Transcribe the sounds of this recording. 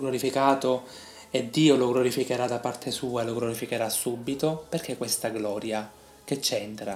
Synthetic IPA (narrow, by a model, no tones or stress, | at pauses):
ɡloɾifikaːt̪o | ed̪ːiːoloɡloɾifikeɾad̪apːart̪ʰesuːaeloɡloɾifikeɾasːuːbːit̪operkekːwest̪aɡlɔːɾja | k̟et͡ʃːɛnt̪ɾa